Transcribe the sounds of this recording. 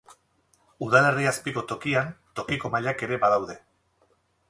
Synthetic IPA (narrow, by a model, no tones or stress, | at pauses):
uðale̞riaspiko̞t̪o̞kiant̪o̞kiko̞maʎake̞ɾe̞baðawðe̞